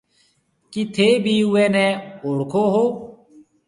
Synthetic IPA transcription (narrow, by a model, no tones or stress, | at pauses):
kit̪ʰeːbʱiːɦʊeːnɛːoːɽkʰoːɦoː